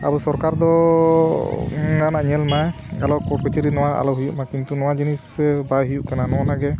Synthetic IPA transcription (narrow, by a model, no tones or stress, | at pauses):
a̰busɔɾkaɾd̪ɔ | nanaʔɲɛlnaj | ɡalɔkɔʈ̚kɔt͡ʃʰiɾinɔwaʔa̰lɔɦujuʔmakint̪unɔwad͡ʒinisbaɦujuʔkananɔwanaɡɛ